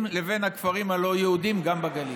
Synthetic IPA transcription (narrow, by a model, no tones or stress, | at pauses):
mleve̞nhakfaʁimhalo̞jehud̪imɡambaɡali